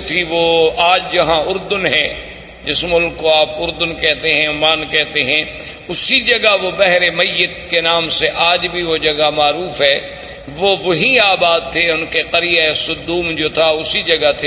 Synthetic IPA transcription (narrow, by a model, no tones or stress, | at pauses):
t̪ʰiʋoːaːd͡ʒd͡ʒɐɦãʊɾd̪ʊnɦɛ | d͡ʒɪsmʊlkːoaːpʊɾd̪ʊnkɛɦt̪eɦɛ̃ʊmaːnkɛɦt̪eɦɛ̃ | ʊsid͡ʒɐɡaʋobɛɦɾemɐjːət̪kenaːmseʔaːd͡ʒbʱiʋod͡ʒɐɡamaːɾuːfɦɛː | ʋoʋɐɦiaːbaːd̪̚t̪ʰeʊnkeqɐɾijaesʊd̪ːuːmd͡ʒoːt̪ʰaʊsid͡ʒɐɡat̪ʰe